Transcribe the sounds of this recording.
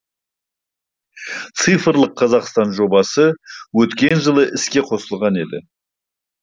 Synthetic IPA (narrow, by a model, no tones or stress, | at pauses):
t̪sɨjfɾlˠəqʰːɑzɑqst̪ɑnʒo̞bɑsəwɵt̪kʲe̞nʒəlˠəʔɪskʲe̞qʰo̞səlˠʁɑne̞d̪ɪ̰